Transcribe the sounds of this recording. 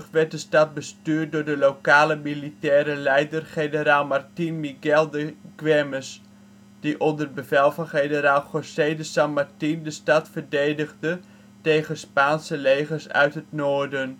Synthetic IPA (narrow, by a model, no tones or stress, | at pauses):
χʋɛrt̚dəstɑt̚bəstyːɹt̚dʊɹdəlokaːləmilitɛːɾəlɛjdərχenəɾaːlˠmartinmiɡɛlˠdəɡwɛməs | d̥iʔɔndər̚bəvɛlˠvɑnχejnəɾaːlˠχosedəsɑnmartindəstɑtfərdejdəɣdə | tejχəspaːnsəlejχərsœ̰ɥtɦətnoːɹdən